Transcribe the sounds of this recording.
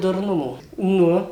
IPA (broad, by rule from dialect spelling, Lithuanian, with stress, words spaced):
dʊrˈnʊmoː ˈnʊ